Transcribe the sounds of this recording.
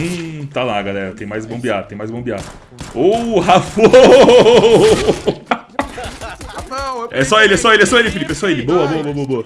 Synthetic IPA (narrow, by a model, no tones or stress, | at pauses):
ũt̪alaɡalɛɾɐt̪ẽj̃majzbõbiad̪t̪ẽmajzbõbia̰d̪ʊ | oɦafo | ɛsɔelɪɛsɔelɪɛsɔelɪfilipɪɛsɔelɪboɐbowɐboɐboɐboɐ